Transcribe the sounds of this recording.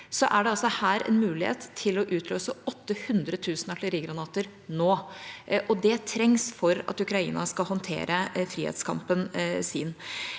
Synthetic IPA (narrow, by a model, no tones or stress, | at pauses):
sɔʔæɖɛɑlsɔhæːɾɛ̰nmʉːlɪhḛːt̪ʰːɪlɔʔʉːt̪ʰløːsəɔt̪ːəhʉnd̪ɾət̪ʰʉːsnɑʈlɪɾiːɡɾɑnɑːt̪əɾ | noːʔɔd̪ɛt̪ʰɾɛŋsfɔɾɑ̰t̪ʉkɾɑḭːnɑskɑlɦɔnt̪ʰḛːɾʔəfɾiːhḛːt̪skʰɑ̰mpənsiːn